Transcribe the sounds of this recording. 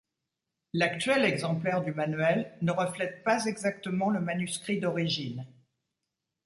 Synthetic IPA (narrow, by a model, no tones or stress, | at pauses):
lakt̪ɥɛlɛɡzɑ̃plɛʁd̪ymanɥɛlnəʁəflɛt̪̚pazɛɡzak̚t̪əmɑ̃ləmanyskχid̪ɔʁiʒin